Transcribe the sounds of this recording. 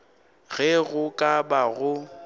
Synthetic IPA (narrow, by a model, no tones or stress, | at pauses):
ɣɛɣʊkʼabaɣʊ